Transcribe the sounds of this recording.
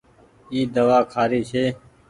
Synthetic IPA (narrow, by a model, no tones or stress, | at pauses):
iːd̪əʋaːkʰaːɾiːt͡ʃʰeː